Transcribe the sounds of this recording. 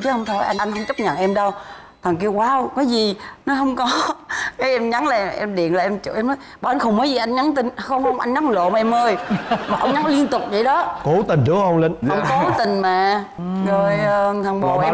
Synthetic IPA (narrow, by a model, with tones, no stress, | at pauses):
t͡ɕə˨˦hə˧wŋ͡mt̪ʰo˧˩jʔa˧jʔa˧jŋ̟hə˧wŋ͡mt͡ɕə˦˥k͡p̚ɲə̰˧˨nʔɛ˧mɗə˧w | t̪ʰa˨˩ŋk̬i˧əwkwaː˨˦˨kɔː˨˦jzi˨˩nɔ˨˦ɦə˧wŋ͡mkɔ˨˦kaː˨˦jʔɛ˧mɲa˨˦nlaː˨˩ʔɛ˧mɗḭ˧˨ənlaː˨˩ʔɛ˧mt͡ɕɨ̰˧˨ʔɛ˧mnɔ˨˦jɓɔ˨˩ʔa˧n̟xə˧wŋ͡mməː˨˦jzi˨˩ʔa˧jŋɲa˨˦nt̪i˧nxə˧wŋ͡mxə˧wŋ͡mʔa˧jŋɲa˨˦n˧˦lo̰˧˨maː˨˩ʔɛ˧mʔəː˧jmaː˨˩ʔə˧wŋ͡mɲa˨˦n˨˦li˧ənt̪ʊ˨˩k͡p̚zə̰˧˩˦ɗɔ˨˦ko˧˩˦t̪i˨˩ŋ̟t͡ɕɨ˨˦hə˧wŋ͡mlə˧˦nʔə˧wŋ͡mko˨˦t̪ï˨˩ŋ̟maː˨˩ | zo˨˩jt̪ʰa˨˩ŋɓo̰˧˨ʔɛ˧